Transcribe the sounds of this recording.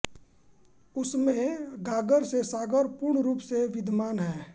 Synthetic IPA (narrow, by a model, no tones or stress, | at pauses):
ʊsmẽɡaːɡəɾsesaːɡəɾpʊɾɳɾuːpseʋɪd̪ʱmaːnɦɛː